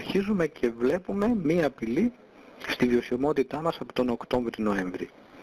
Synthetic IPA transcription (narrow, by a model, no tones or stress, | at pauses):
ɾçizume̞cʰe̞vle̞pume̞miɐːpili | st̪iðio̞simo̞t̪it̪ɐmɐsɐpo̥t̪o̞no̞kt̪o̞ɱvɾino̞eɱvɾḭ